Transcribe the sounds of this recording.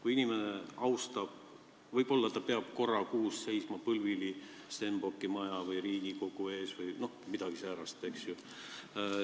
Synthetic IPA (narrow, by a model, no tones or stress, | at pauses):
kujinimene̞ɑwst̪ɑb̥̚ | vɤjb̥o̞lːɑt̪ːɑpeɑb̥ko̞rːɑkuːsse̞jsmɑpɤlvili | st̪e̞mb̥o̞kːˑimɑjɑvɯjɾiːɡ̥iko̞ɡ̥ue̞ːsvɯjno̞hmid̪̥ɑɡ̥isæːɾɑst̪e̞ksju